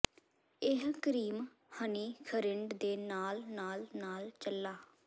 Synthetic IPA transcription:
ɪɦkəɾiːm | həniːkʰəɾɪɳɖd̪eːnaːlnaːlnaːlt͡ʃəlːaː

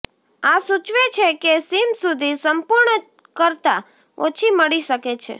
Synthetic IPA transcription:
asut͡ʃʋet͡ʃʰekesimsud̪ʱisəmpuɾɳə | kəɾt̪a | o̰t͡ʃʰiməɭiʃəket͡ʃʰḛ

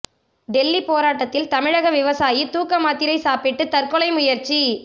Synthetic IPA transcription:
ɖɛlːipoːɾaːʈːɐt̪ːɪlt̪ɐmɪɻɐɣɐʋɪʋɐsaːjit̪uːkːɐmaːt̪ːɪɾɐɪsaːpɪʈːɯt̪ɐrkɔlɐɪmʊjɐɾt͡ʃi

